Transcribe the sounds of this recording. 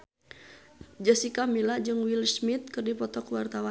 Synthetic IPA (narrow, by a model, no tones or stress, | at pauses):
d͡ʒəsikamilad͡ʒɨŋwilsmit̪̚kɨrdipɔt̪ɔkwart̪awa